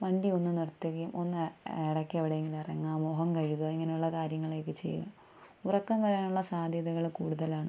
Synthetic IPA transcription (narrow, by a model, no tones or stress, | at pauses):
ʋɐɳɖio̞nːɨnirt̪ːɐkijumʔo̞nːɨeɽɐkːɨeʋiɽeeŋɡilɐrɐŋːaːmoːɦɐmkɐɻuɣɐiŋːɐnejuɭːɐkaːɾjɐŋːɐɭe̞ːkːɨt͡ɕe̞̰jːṵɐ̰m | urɐkːɐmʋɐɾaːnuɭːɐsaːd̪ʱjɐðɐɣɐɭkuːɽuðɐlaːɳɨ